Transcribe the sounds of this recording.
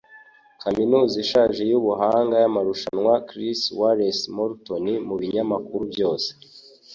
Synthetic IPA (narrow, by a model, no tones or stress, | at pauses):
kaminuːziʃaːʒejuβuɦaːŋɡajamaɾuʃanŋwakɾiswaɾesmoɾtonimuβiɲamakuɾubjo̞ːse̥